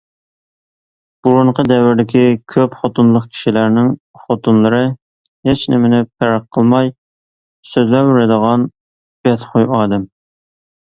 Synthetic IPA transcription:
b̥uɾuɴqʰəd̪ɛwɪɾd̪ɪkʲʰikʲʰøpχot̪unlˠəχkʲʰi̥ʃilæɾnɪŋ | χot̪unlˠəɾɨ | hɪt͡ʃnɪmɪnɪpʰæɾɑqʰːəlˠmɑj | søzlɛwɪɾɪd̪əʁɑn | b̥ɛt̪χʰojɑːd̪ɛm

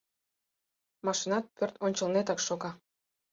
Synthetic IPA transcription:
mɑʃinɑt̪̚pørt̪onʲt͡ɕə̆lnet̪ɑkʃoɣɑ

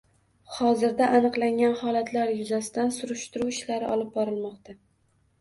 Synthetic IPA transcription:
hɒzɪɾd̪aʔːnɨqlˠaŋʲanhɒlat̪ʰlaɾjʊzasɪd̪ansʊɾʊʃt̪ʊɾuwɪʃlaɾɪʔɒlˠɪp̚bɒɾɪlmɒqt̪ʰa

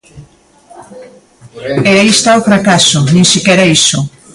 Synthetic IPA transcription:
eaist̪aofɾakasʊnĩŋsikɛɾɐisʊ

